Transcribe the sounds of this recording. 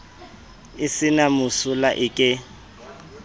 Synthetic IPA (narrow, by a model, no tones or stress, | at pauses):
ɪsɪnamʊsʊlaʔɪkʼɪ